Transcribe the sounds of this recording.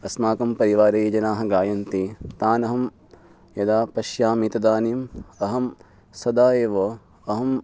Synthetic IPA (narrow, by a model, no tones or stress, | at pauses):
ɐsmaːkɐmpɐɾiʋaːɾɐd͡ʒɐnaːɦɐ̆ɡaːjɐnt̪it̪aːnɐɦɐm | jɐd̪aːpɐʃjaːmit̪ɐd̪aːnimɐɦɐm | sɐd̪aːeːʋoː | ɐɦɐm